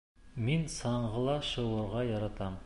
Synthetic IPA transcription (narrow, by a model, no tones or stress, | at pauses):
minsɑɴʁɤ̆lˠɑʃɤ̆wŭɾʁɑjɑɾɑt̪ɑm